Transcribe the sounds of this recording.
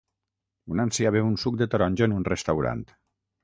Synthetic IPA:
unansiaβeunsuk̚d̪et̪oɾɔnʲd͡ʒonunrest̪awɾa̰nt̪

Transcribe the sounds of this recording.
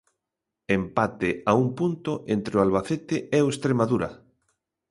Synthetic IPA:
empat̪eaumpunt̪oʔent̪ɾeoalβaθet̪ɪʔɛoest̪ɾemaðuɾa̰

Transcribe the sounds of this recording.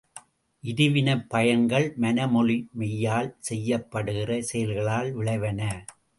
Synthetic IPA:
ʔɪðɪʋɪnɐpːɐjɐŋɡɐɭmɐnɐmɔɻɪmɛjːaːlsɛjːɐpːɐɽɯɣɪrɐsɛjɐlɣɐɭaːlʋɪɭɐɪʋɐnɐ

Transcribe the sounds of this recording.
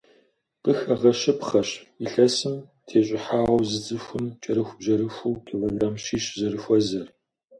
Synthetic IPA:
qʼəxɐʁɐɕɪpχɐɕiɬɐsɨm | tʰeːɕʼɪħaːʁɐwzɨd͡zʼɨxʷʊmt͡ʃʼɐɾɨxʷʊbʑɐɾɨxʷuːkʰiloːɡraːmɕiːɕzɐɾɨxʷɔzɐr

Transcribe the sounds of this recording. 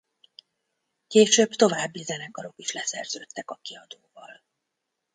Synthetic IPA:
keːʃøːbt̪o̞vaːbːizɛnɛkɒɾo̞kiʃlɛsɛrz̥øːt̪ːɛkɒkiɒd̪oːvɒl

